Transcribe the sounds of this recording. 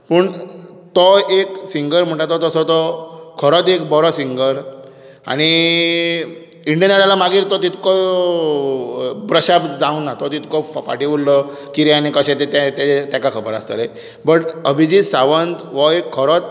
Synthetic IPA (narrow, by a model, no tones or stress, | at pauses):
pəːɳ | t̪ɔeksiŋɡəɾm̤əɳʈ̪at̪ɔt̪ɔsɔt̪ɔkʰəɾɔt̪ekbɔɾɔsiŋɡəɾ | a̰ɽ̃i | iɳɖijənaɽalamaɡiːɾt̪ɔt̪it̪kɔ | bɾəɕabd͡zaunːat̪ɔt̪it̪kɔffa̰ʈiʋullɔkiɾiañikəɕẽt̪et̪at̪aet̪jakakʰəbəɾa̰st̪a̰le | bəʈəbʱid͡ʑisaʋənt̪ʋɔekʰːəɾɔt̪̚